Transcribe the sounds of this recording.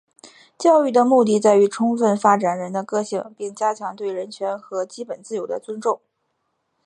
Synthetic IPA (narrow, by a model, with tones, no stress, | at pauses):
t͡ɕjɑ˥˧ʊy˥˩d̪ə˩mu˥˧t̪̬i˥˧t͡sa˥˩ɪy˧˥ʈ͡ʂʰʊ˥ŋfə˥˩nfa˥ʈ͡ʂa˨˩nɻə˧˥nd̪ə˧kɤ˥˧ɕi˥˩ŋpjɛ˥˩nt͡ɕja˥t͡ɕʰjɑ˧˥ŋt̪we˥˩ɪɻə˧˥nt͡ɕʰɥɛ˧˥nxɤ˧˥t͡ɕi˥pə˨˩nt͡sɹ̩˥˩jo˧˥ʊd̪ə̰˧t͡swə˥nʈ͡ʂʊ˥˩ŋ